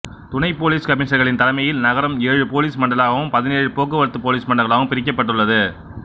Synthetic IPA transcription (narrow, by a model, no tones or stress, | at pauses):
t̪ʊnɐɪpoːliːskɐmɪːʂɐɾɣɐɭɪnt̪ɐlɐmɐjɪlnɐɣɐɾɐmeːɻɯpoːliːsmɐɳɖɐlaːɣɐʋɯmpɐðɪneːɻɯpoːkːɯʋɐɾɯt̪ːɯpoːliːsmɐɳɖɐɣɐɭaːɣɯmpɪɾɪk̬ʲːɐpːɐʈ̬ːɯɭːɐðɯ